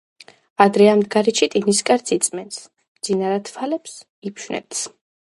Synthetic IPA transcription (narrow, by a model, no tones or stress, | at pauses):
ad̪ɾɛamd̪ɡaɾiʃit̪ʼiniskʼaɾt̪sʰit̪sʼmɛns | md̪z̥inaɾat̪ʰfʰalɛps | ipʰʃnɛ̰t̪ʰs